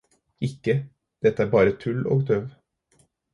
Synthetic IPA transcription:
ɪkːə | d̪̥ɛt̪əæːɾbɑːɾət̪ʰʉlo̰ːɡd̪øːʋ

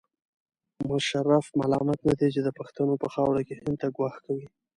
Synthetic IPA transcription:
mʊʃaɾafma̰lɑmat̪nad̪et͡ʃed̪əpaxt̪anopəxɑwɾakehɪnd̪t̪aɡwɑxkawi

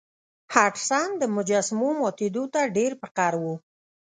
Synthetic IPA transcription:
haʈsand̪əmʊd͡ʒasmomɑt̪ed̪ot̪aɖeɾpɪqaɾwu

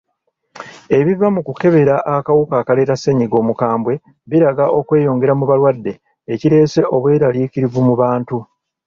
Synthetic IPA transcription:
e̞βivamukuke̞βe̞ɾaʔakawukaːkale̞ːɾasːe̞ɲiɡo̞ːmukaːmbwe̞ | βiɾaɡaʔo̞kwe̞ːjo̞ːŋɡe̞ɾamuβalwadːe̞ː | ciɾe̞ːse̞ʔo̞βwe̞ːɾaliːkiɾivumuβaːntu

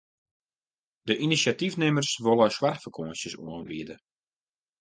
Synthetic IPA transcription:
d̥əʔinisatifnɪmərsʋolˠəswarxfərkʰoːsjəso̰ənbiədə

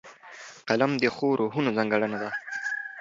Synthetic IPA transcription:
qalamd̪əxoɾʔoɦunozaŋɡaɽanad̪a

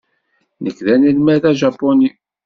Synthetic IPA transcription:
nəkːðænilmæðæʒɑpːoni

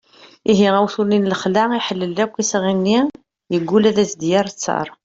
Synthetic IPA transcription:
iɦiʁæwθulninləχlæiħəlːəlːækʷːisʁimni | jəɡːulæðæsd̪jəɾˤt͡sːɑ̰ɾˤ

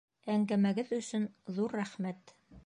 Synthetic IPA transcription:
æŋɡæmæɡɘðɵ̆sɵnðuɾːæχmæt̪

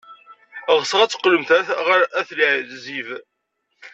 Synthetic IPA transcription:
ʁsʁæt͡sːəqːləmθæʁæθliʕziv

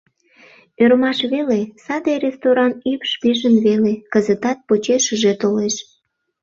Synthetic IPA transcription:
øɾmɑʃβelesɑd̪eɾʲest̪oɾɑnypʃpiʒənβelekəzət̪ɑt̪̚pot͡ɕeʃəʒet̪oleʃ

